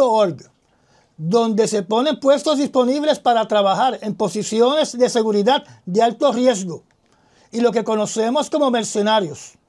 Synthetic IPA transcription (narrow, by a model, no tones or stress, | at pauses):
ooɾɡ | d̪o̞nd̪e̞se̞po̞ne̞mpwe̞st̪o̞zðispo̞niβ̞le̞spaɾat̪ɾaβaxaɾe̞mpo̞sisjo̞ne̞zðe̞se̞ɣuɾiðad̪̚d̪ealt̪o̞rje̞z̬ɡo̞ | ilo̞ke̞ko̞no̞se̞mo̞sko̞mo̞me̞ɾse̞naɾjo̞s